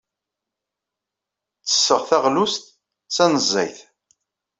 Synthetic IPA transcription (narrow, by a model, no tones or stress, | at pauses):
t͡sːə̥sːəʁθæʁlust̪ | t͡sːænəzˤːæ̰jθ